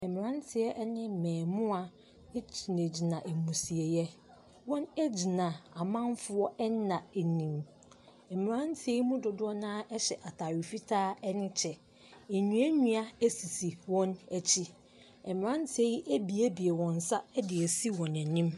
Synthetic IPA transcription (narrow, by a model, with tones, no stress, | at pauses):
ɛ˨mɪ̃˨ɾã˦n˦tʰɪ˨ɛ˦ʔɛ˦nɪ̃˦mɛ̃ː˨mʊ̃˦a˨˦ | t͡ɕʰi˨ne˨d͡ʑi˨nã˨ʔɛ˨mũ˨si˨ɛ˨jɛ˦ | wɔ̃˦nɛ˦d͡ʑi˨nã˨a˨mã˦n˦fʊ˦ɔ˦ɛ˦nã˨e˨nĩ˨m | ɛ˨mɪ̃˨ɾã˦n˦tʰɪ˨˦ɛ˦i˦mũ˦dʊ˨dʊ˦ɔ˦nãː˦ʔɛ˦ɕɛ˨ʔa˨tʰaː˨ɥi˨fi˦tʰaː˦ɛ˦nɪ̃˦t͡ɕʰɛ˨ | ɛ˨ɲũ˨˦æ˦ɲũ˦a˦æ˦si˨si˨wɔ̃˦næ˨t͡ɕʰi˦ | ɛ˨mɪ̃˨ɾã˦n˦tʰɪ˨˦ɛ˦ji˦ʔæ˦bi˨æ˦bi˨ɛ˨wɔ̃˨n̩˨sa˦dɪ˨ɛ˨si˦wɔ̃˨nɛ˨nĩ˦m